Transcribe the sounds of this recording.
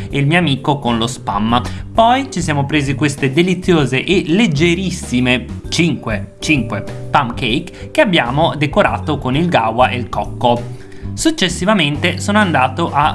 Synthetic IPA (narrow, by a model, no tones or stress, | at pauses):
eilmioamiːkokonlospa̰mpɔjt͡ʃisjaːmopɾeːzikwest̪ed̪elit̪sːjoːzeʔeled͡ʒːeɾisimet͡ʃiŋkwet͡ʃiŋkwepamkejkkːeabːjaːmod̪ekoɾa̰ːt̪okonilɡawaʔelkɔkːo | sut͡ʃːesːivament̪esoːnoand̪aːt̪oʔa